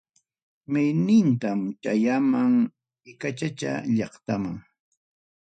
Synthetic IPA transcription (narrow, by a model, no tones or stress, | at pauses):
mɪjnɪnt̪amt͡ʃajamaŋ | ɪkat͡ʃat͡ʃa̰ʎɑχt̪amaŋ